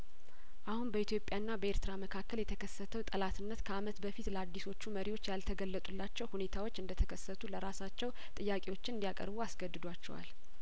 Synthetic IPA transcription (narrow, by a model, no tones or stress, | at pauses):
ʔahunbəit̪jo̞pʼːjanːabəe̞ɾt̪ʰɨɾaməkʰakːəljɛt̪ʰəkʰəsːət̪ʰəwt̪ʼəlat̪ʰɨnːət̪kʰəamət̪bəfit̪ləad̪ːiso̞t͡ʃːuməɾiwo̞t͡ʃːjalt̪ʰəɡəlːət̪ʼulːat͡ʃːɛwhune̞t̪ʰawot͡ʃːɨnd̪ət̪ʰəkʰəsːət̪ʰuləɾasat͡ʃːɛw | t̪ʼɨjːakʼewo̞t͡ʃːɪnɨnd̪ijakʼə̰ɾbuasɡəd̪ːɨd̪wat͡ʃːɛ̰wa̰l